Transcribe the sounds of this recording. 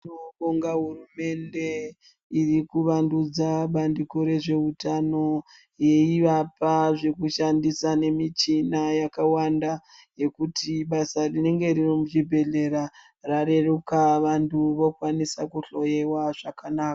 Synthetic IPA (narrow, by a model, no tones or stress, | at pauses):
noɓoŋɡaɦurume̞nde̞ | irikuʋandud͡zaɓandiko̞ɾe̞ʐe̞utano̞ | je̞iʋapaʐe̞kuʃandisane̞mit͡ʃinajakawandaje̞kutʰiɓasarine̞ŋɡe̞ririmuʐibʱe̞ɮe̞ɾa | rare̞rukaʋantʰuʋo̞kwanisakuɬo̞je̞waʐ̥akanaːka